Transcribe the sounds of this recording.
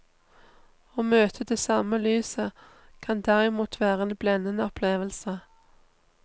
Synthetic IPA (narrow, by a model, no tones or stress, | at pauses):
oːmøːt̪ʰəd̪eːsɑːməlyːsə | kʰɑnd̪æʁɪmuːt̪ʰʋæːʁəeːnblɛnənəɔpʰleːʋəlsə